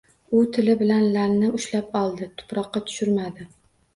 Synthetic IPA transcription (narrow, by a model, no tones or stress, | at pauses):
ʊt̪ʰɪlɪbɪlanlaɾnɪʊʃlap̚ɒlˠd̪ɪt̪ʰʊ̥pɾɒqːɑt̪ʰʊ̥ʃʊɾmad̪ɪ